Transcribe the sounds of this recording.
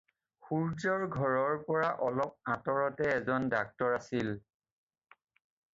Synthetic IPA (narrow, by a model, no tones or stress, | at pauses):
xuɹzɔɹɡʱɔɹɔɹpɔɹaʔɔlɔp̚atɔɹɔtɛːzɔndak̚tɔɹasil